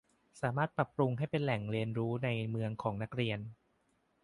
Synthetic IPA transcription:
saː˩˦maː˥˩t̪̚pɾa˨˩pːɾu˧ŋɦa˥˩jpe˧nlɛ˨˩ŋɾi˧ənɾuː˦˥na˧jmɯ˧əŋkʰɔː˩˦ŋna˦˥k̚ɾi˧ən

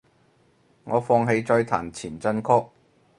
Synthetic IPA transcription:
ŋɔː˨˧fɔː˧ŋɦe˨˧jt͡sɔː˧jt̪ʰa̰ː˨˩nt͡sʰiː˨˩nt͡sɐ˧nkʰʊ˥k̚

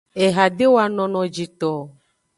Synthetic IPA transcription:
e˨ɦa˨ɖe˦wo˦a˦nɔ̃˦nɔ̃˨d͡ʒi˨t̪ɔ˨

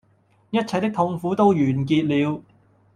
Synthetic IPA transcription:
jɐ˥t̚t͡sʰɐ˨˩jt̪ɪ˥k̚t̪ʰʊ˧ŋfuː˨˥t̪o˥wjyː˨˩nkiː˧t̚liː˨˧w

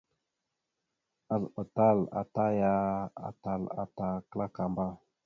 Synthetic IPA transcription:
a˨lə˨ta˦la̰˨ta˦ja˦a̰˨ta˨la̰˨ta˨kla˦ka˨mba˦

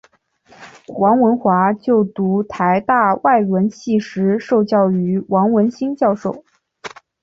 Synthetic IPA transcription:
wɑ˧˥ŋwə˧˥nxwa˧˥t͡ɕjo˥˩ʊt̪u˧˥t̪ʰa˧˥ɪt̪a˥˧wa˥˩ɪwə˧˥nɕʰi˥˩ʂɻ̩˧˥ʂo˥˧ʊt͡ɕjɑ˥˩ʊy˧˥wɑ˧˥ŋwə˧˥nɕi˥ŋt͡ɕjɑ˥˧ʊʂo˥˩ʊ

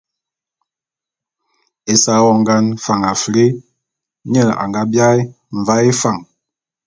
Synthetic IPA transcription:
e˨sa˦wɔ˦˨ŋ˦ɡa˦nfa˨ŋa˨fɾi˦ | ɲə˦˨a̰˨ŋɡa˦bja˦j | ɱ˨va˦e˦fa˨ŋ

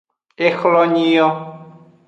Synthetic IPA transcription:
e˦xlɔ˦ɲĩ˦jɔ˦

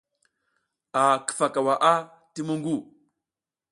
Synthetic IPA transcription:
a˨kə̥˦˨fa˨ka˨wa˨ʔa˦ | ti˦mu˦ŋɡu˦˨

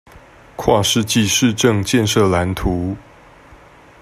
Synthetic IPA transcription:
kʰwa˥˧ʂɻ̩˥˧t͡ɕi˥˧ʂɻ̩˥˧ʈ͡ʂɤ˥˧ŋt͡ɕjɛ˥˧nʂɤ˥˩la˧˥nt̪ʰu˧˥˦

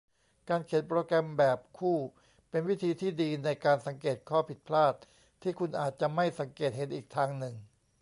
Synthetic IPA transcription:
kaː˧nkʰe˩˦npɾoː˧kɾɛ˧mbɛː˨˩p̚kʰuː˥˩ | pe˧nwi˦˥˩t̪ʰiː˧t̪ʰiː˥˩diː˧na˧jkaː˧nsa˩˦ŋkeː˨˩t̪̚kʰɔː˥˩pʰi˨˩t̪̚pʰlaː˥˩t̪̚ʰː | iː˥˩kʰu˧nʔaː˨˩t̪̚t͡ɕa˨˩ma˥˩jsa˩˦ŋkeː˨˩t̪̚he˨˦nʔiː˨˩k̚t̪ʰaː˧ŋnɯ˨˩ŋ

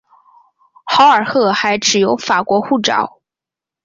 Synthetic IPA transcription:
xɑ˧˥ʊə˞˨˩xɤ˥˩xa˧˥ɪʈ͡ʂɻ̩˨˩jo˧˥ʊfa˨˩kwɔ˧˥xu˥˩ʈ͡ʂɑ̰˨˩˦ʊ

